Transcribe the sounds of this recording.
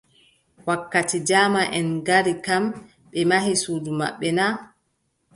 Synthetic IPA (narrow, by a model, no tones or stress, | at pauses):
wakːatid͡ʒaːmaʔɛnɡaɾikam | ɓɛmaɦisuːd͡ʒuma̰ɓːɛna